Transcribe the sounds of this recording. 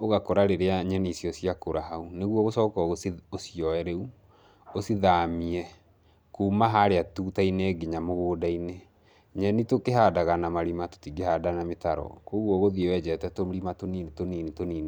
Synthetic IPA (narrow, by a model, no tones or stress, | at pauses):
oɣakoɾaɾeɾeaɲɛnisjɔsiakoɾaɦauneɣwɔɣosɔːkɔɣoosiɔɛɾeu | osiðamiɛ | kuːmaɦaɾeatuːtaineːɡeɲamoɣoːdaine | ɲɛnitokeɦadaɣanamaɾimato̥tiɡeɦadanametaɾɔ̰koɣwɔɣoðiewɛd͡ʒɛtɛtoɾimatonintoniːnitoniːne